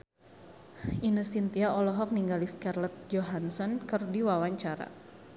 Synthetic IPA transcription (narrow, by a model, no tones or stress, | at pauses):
inəsint̪iaɔlɔɦɔk̚niŋɡaliskarlɛt̪̚d͡ʒoɦansɔnkɨrdiwawaɲt͡ʃaɾa̰